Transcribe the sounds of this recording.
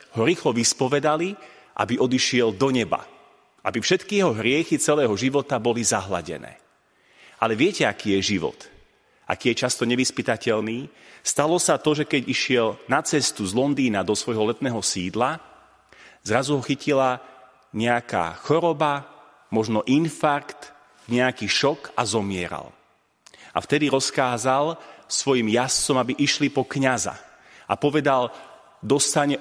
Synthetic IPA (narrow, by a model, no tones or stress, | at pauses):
hɔɾiːxlɔʋispɔʋɛd̪ali | ʔa̰biʔɔd̪iʃɪɛld̪ɔɲɛba̰ | ʔa̰bifʃɛt̪kijɛɦɔɦɾɪɛxit͡sɛlɛːɦɔʒiʋɔt̪abɔlizaɦla̰ɟɛ̰nɛ̰ː | ʔalɛʋɪɛcɛakiːjɛʒiʋɔ̰t̪ | ʔa̰kiːjɛt͡ʃast̪ɔɲɛʋispit̪acɛʎniːst̪alɔsat̪ɔʒɛkɛɟiʃɪɛlnat͡sɛst̪uzlɔnd̪iːnad̪ɔsʋɔjɦɔlɛt̪nɛːɦɔsiːd̪la | zɾazuɦɔxicila | ɲɛaka̰ːxɔɾɔba | mɔʒnɔʔinfaɾkt̪ | ɲɛakiːʃɔkazɔmɪɛ̰ɾa̰l | ʔa̰ft̪ɛd̪iɾɔskaːzalˠsʋɔjimjast͡sɔmabiʔiʃlipɔkɲaza̰ | ʔa̰pɔʋɛd̪al | d̪ɔst̪aɲɛ